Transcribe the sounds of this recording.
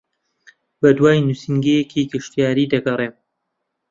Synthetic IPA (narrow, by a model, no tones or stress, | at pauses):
bɐd̪waːjnusiŋɡejekʰiɡɨʃt̪ijaːɾiːd̪ɐɡɐreː